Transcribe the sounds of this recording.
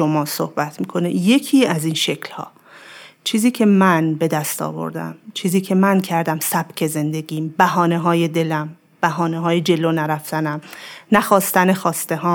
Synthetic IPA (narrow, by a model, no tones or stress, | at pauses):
omɒːsohbæt̪ʰmiːkʰo̞neje̞cʰiːæziːnʃecʰlhɒ̰ː | t͡ʃʰiːziːcʰe̞mænbe̞d̪æst̪ɒ̰ːvo̞̰ɾd̪æ̰mt͡ʃʰiːziːcʰe̞mæncʰæɾd̪æmsæb̥cʰe̞ze̞nd̪e̞ɡiːmbæɦɒːneɦɒːje̞d̪e̞læm | b̥æɦɒːneɦɒːjed͡ʒe̞lonæɾæft̪ænæmnæxɒːst̪ænexɒːst̪e̞ɦɒː